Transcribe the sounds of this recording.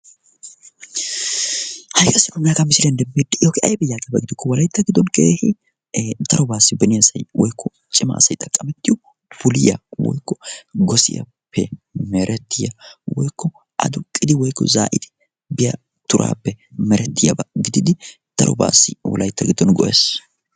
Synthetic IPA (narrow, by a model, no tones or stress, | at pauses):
hɐjkɐsɪnʊnɐkɐmɪsɪlɛnd̪ɛmːeːd̪ɛjokɪʔɐjbɛjaːkʼɪjɐbɐɡɪd̪ɪkːɔwɔlɐjɪt̪ːɐɡɪd̪ːɔnkeːhɪ | d̪ɐɾɔbaːsːɪbɛnɪjɐsɐjwɔjkːɔ | t͡ʃʼːɪma̰ːsɐjt̪ʼɐkʼːɐmɛt̪ːɪjʊ | fʊlɪjɐ̰wɔ̰jkːɔɡɔsɪ̰jɐ̰ | pʰːɛmɛɾʔɛt̪ːɪjɐwɔjkʰːɔ | ʔɐ̰d̪ʊkʼːɪd̪ɪwɔjkːɔ̰zaːʔɪd̪ɪ̥ | bɪjɐ | t̪ʊɾʔa̰ːpːɛmɛɾɛt̪ːɪjɐ̰bɐɡɪd̪ɪd̪ɪ | d̪̥ɐ̰ɾɔ̰ba̰ːsːɪwɔ̰lɐjt̪ːɐɡɪd̪ːɔnɡɔʔeːs